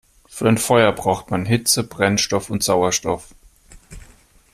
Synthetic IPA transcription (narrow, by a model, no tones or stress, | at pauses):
fyːɐaɪnfɔʏɐbʁaʊxtmanɦɪt͡səb̥ʁɛnʃtɔfʊntz̥aʊɐʃtɔ̰f